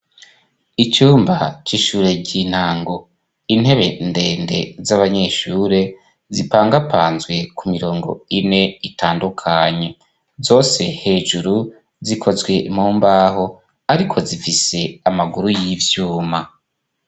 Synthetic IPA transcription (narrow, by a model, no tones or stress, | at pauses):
it͡ʃuːmbat͡ʃiʃuːɾe̞ɟin̥haːŋɡo̞ | in̥he̞βe̞nde̞ːnde̞̰zaβaɲe̞ʃuːɾe̞ | zipaːŋɡapʰaːnzɡwe̞kumiɾo̞ːŋɡo̞̰ine̞itʰaːndukʰaɲe̞ | zo̞ːse̞he̞ːʒuɾu | zikʰo̞zɡwe̞muːmbaːɦo̞ | aɾikʰo̞zifise̞amaɡuɾujivjuːma